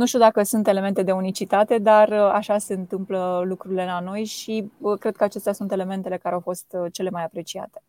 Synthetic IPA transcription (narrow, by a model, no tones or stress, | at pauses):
nuʃt̪iud̪akəsunt̪e̞le̞me̞nt̪e̞d̪e̞unit͡ʃit̪at̪e̞d̪arəa̰ʃase̞ɨnt̪ɨmpləlukɾuɾile̞lano̞jʃikɾe̞d̪̚kəat͡ʃe̞st̪easunt̪e̞le̞me̞nt̪e̞lekaɾeawfo̞st̪t͡ʃe̞le̞majapɾe̞t͡ʃia̰t̪e̞